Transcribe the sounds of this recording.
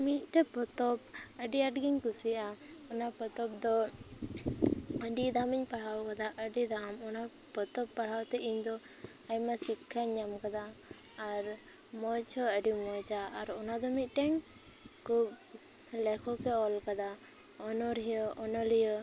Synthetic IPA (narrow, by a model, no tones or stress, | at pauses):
mit̪̚ˀʈɛpɔt̪ɔpəɖiaʈɡiɲkusiaɔnapɔt̪ɔp̚d̪ɔ | əɖid̪amiɲpaɽ̤awkad̪aʔəɖid̪amɔna | pɔt̪ɔpːaɽ̤awt̪ɛʔiɲd̪ɔ | aɲmasikʰːaɲamkad̪aː | ɾ | mɔjt͡ʃʰɔəɖimɔt͡ʃaːɾɔnad̪ɔmit̪̚ˀʈɛɲ | kub | lɛkʰɔkɛɔlkad̪a | ɔnɔɾɦijəʔɔnɔlijɔ